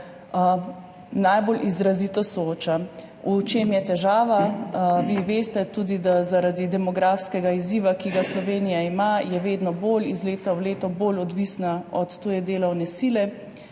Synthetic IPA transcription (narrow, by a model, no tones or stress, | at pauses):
najbolʔizɾazit̪ɔsɔoːt͡ʃa | ut͡ʃemjɛt̪ɛʒaːʋaʋiʋeːst̪ɛt̪uːd̪id̪azaɾad̪id̪ɛmɔɡɾafskɛɡaiziːʋakiɡaslɔʋeːnijaimajɛʋeːd̪nɔbolizleːt̪awleːt̪ɔbolɔd̪ʋisnaɔt̪ːojɛd̪eːlɐwnɛsiːlɛ